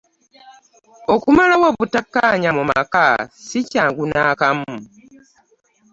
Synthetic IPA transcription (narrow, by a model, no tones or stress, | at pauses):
okumalawaβutakːaɲamuma̰kasicaːŋɡunaːkamːu